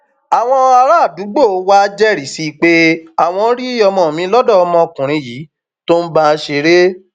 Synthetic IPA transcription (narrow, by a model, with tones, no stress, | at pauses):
a˨w̃ɔ̃˧a˧ɾa˦˨du˨˦ɡ͡bo˦˨˧wa˦d͡ʒɛ˦ɾi˨si˦˧k͡pe˦a˦˨w̃ɔ̃˧˦ɾi˦i˦jɔ˧mɔ̃˨mĩ˨˦lɔ˦dɔ˦˨ɔ˧mɔ̃˧o˧kũ˨ɾ̃ĩ˧ji˨˦ | to˦n̩˦ba˦˧ʃe˧ɾe˦